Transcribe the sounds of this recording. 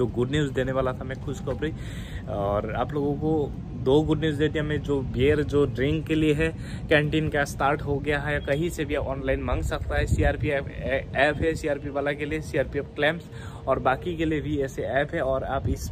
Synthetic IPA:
d͡ʒoːɡʊɖnjiuːzd̪eːneʋaːlat̪ʰamɛ̃kʰʊʃkopɾi | ɔːɾa̰ːploːɡõko | d̪oːɡʊɖniuːzd̪eːt̪̬iamẽd͡ʒoːbeːɾd͡ʒoːɖɾɪ̃ŋkːelieɦɛ | kɛ̃ːɳʈiːnkasʈaːɾʈɦoɡɐjaɦɛjakɐɦĩsebʱiaːpɔːnlaːɪnmãŋɡsɐk̚t̪aɦɛsiaːɾpiɛpːɛːpɦɛsiaːɾpiʋaːlakeliesiaːɾpiɛːpklɛ̃ːmps | ɔːɾbaːkikeliebʱiɛːseɛːpɦɛɔːɾaːpɪs

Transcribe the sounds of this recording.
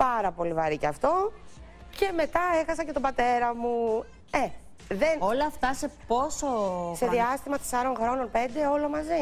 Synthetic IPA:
pɐɾɐpo̞livɐɾiceɐft̪o̞ | ce̞me̞t̪ɐe̞xɐsɐce̞t̪o̞bɐt̪e̞ɾɐmu | e | ðenolɐːft̪ɐse̞po̞sose̞ðiɐst̪imɐt̪e̞sɐɾo̞nxɾo̞no̞npe̞nd̪e̞o̞lo̞mɐzi

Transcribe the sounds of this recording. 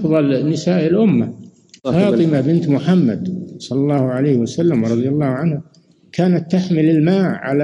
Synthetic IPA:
fðˤɑlnɪsaːʔɪlʔʊmːa | fɑːt̪ˤɨmabɪnt̪mʊħamːa̰d̪sˤɑlːɑlˤːɑːhʕalajhwasalːamwɑɾˤɑðˤjalˤːɑːhʕanha | kʰaːnat̪ːaħmɪlɪlmaːʕːa̰la

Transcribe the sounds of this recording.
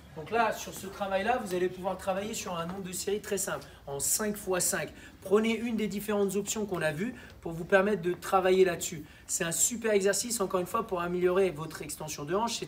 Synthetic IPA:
d̪ɔ̃klasyʁsət̪χavajlavuzalepuvwaʁt̪χavajesyʁɛ̃nɔ̃bʁd̪əseʁit̪χɛsɛ̃pl | ɑ̃sɛ̃kfwasɛ̃k | pχəneynd̪ed̪ifeʁɑ̃t̪zɔpsjɔ̃kɔ̃navy | puʁvupɛʁmɛt̪χd̪ət̪χavajelad̪əsy | sɛt̪ɛ̃sypɛʁɛɡzɛʁsisɑ̃kɔʁynfwapuʁameljɔʁevɔt̪χɛkst̪ɑ̃sjɔ̃d̪əɑ̃ʃɛ

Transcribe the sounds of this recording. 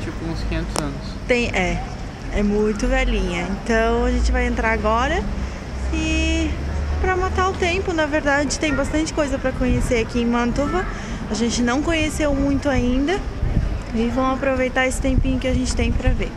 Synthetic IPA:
t͡ʃipʊũskĩɲẽnt̪ʊzɐ̃nʊst̪ẽj̃ʔɛ | ɛmũj̃t̪ʊvɛlĩɲɐẽnt̪ɐ̃w̃aʒẽnt͡ʃɪvajẽnt̪ɾaɾaɡɔɾɐ | ɪ | pɾɐmat̪aʊt̪ẽmpʊnɐveɾd̪ad͡ʒɪt̪ẽj̃bast̪ɐ̃nt͡ʃɪ̥kojzɐpɾɐkõɲeseakiẽj̃mɐ̃nt̪ovɐ | aʒẽnt͡ʃɪnɐ̃w̃kõɲesewmũj̃t̪ʊaĩnd̪ɐ | ɪvɐ̃w̃apɾovejt̪aesɪ̥t̪ẽmpĩɲʊkɪaʒẽnt͡ʃɪ̥t̪ẽj̃pɾɐveɾ

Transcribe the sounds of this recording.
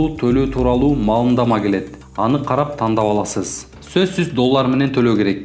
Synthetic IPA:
uːt̪ʰøløt̪ʰuːɾɑlˠuːmɑlˠɯnd̪ɑmɑke̞le̞t̪ | ɑnɯqʰɑɾɑp̚t̪ʰɑnd̪ɑpɑlˠɑsɯz | søzsyzd̪o̞lˠːɑɾme̞ne̞nt̪ʰø̞lø̞ke̞ɾe̞k̚

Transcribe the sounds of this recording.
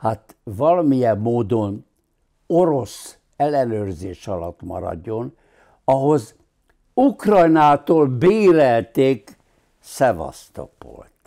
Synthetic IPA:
hat̪vɒlɒmijɛmːoːd̪o̞n | oɾo̞s | ɛlːɛnøːrzeːʃɒlɒt̪mɒ̰ɾɒ̰ɟːo̞n | ɒɦo̞z | ukrɒjnaːt̪oːlbeːɾɛlt̪eːk | sɛvɒ̰st̪o̰po̰lt̪

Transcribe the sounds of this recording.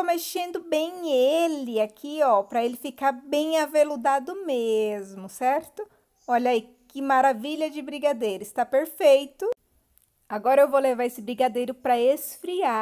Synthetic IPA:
omeʃẽnd̪ʊbẽj̃elɪakʰiɔpɾɐelɪfikaɾbẽj̃avelud̪ad̪ʊmezmʊsɛɾt̪ʊ | ɔʎɐi | kɪmaɾaviʎɐd͡ʒɪbɾiɡad̪ejɾʊɪst̪apeɾfejt̪ʊ | aɡɔɾɐewvowlevaɾesɪbɾiɡad̪ejɾʊpɾɐesfɾia

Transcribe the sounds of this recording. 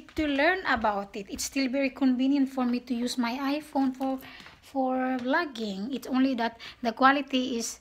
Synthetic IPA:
tulɜ˞nəbawtɪtɪtstilˠvɛɹikʰɔ̃nvĩnjə̃ntfɔɹmitujusmajajfõnfɔ | fɔɹlaɡɪ̃ŋɪtsõʊ̃nliðæt̪̚ðəkwalitiɪs

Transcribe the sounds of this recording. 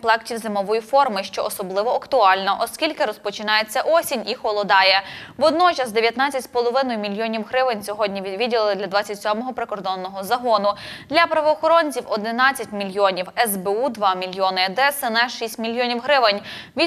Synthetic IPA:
plˠɛktʲiwzɪmɔʋɔjifɔrmɪʃt͡ʃɔʔɔsɔblˠɪʋɔɐkt̪ʊɑlʲnɐʔɔskʲilʲkɪɾɔspɔt͡ʃɪnɑjet͡sʲːɐʔɔsʲinʲixɔlˠɔd̪ɑjɛʋɔd̪nɔt͡ʃɐsd̪eʋjɐt̪nɑt͡sʲɐtʲspɔlˠɔʋɪnɔjʊmʲilʲjɔnʲiwɦɾɪʋɪnʲsʲɔɦɔdʲnʲiʋʲiʋʲidʲilˠɪlˠɪd̪lʲɐd̪ʋɑt͡sʲɐtʲsʲɔmɔɦɔpɾɪkɔrd̪ɔnːɔɦɔzɐɦɔnʊd̪lʲɐpɾɐʋɔːxɔɾɔnʲt͡sʲiwɔd̪ɪnɑt͡sʲːɐtʲmʲilʲjɔnʲiwɛzbeud̪ʋɑmʲilʲjɔnɪd̪ɛsɛnɛʃisʲtʲmʲilʲjɔnʲiwɦɾɪʋɪnʲʋʲi

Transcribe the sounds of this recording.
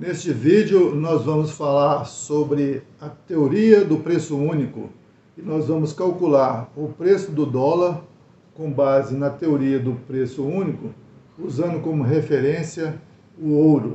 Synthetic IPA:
nest͡ʃɪvid͡ʒʊnɔzvɐ̃mʊsfalaɾsobɾɪ | ɐt̪eoɾiɐd̪ʊpɾesʊũnikʊ̰ | ɪnɔzvɐ̃mʊskawkulaɾʊpɾesʊd̪ʊd̪ɔlɐɾ | kõbazɪnɐt̪eoɾiɐd̪ʊpɾesʊũnikʊ | uzɐ̃nd̪ʊkõmʊɦefeɾẽsiɐ | ʊowɾʊ̰

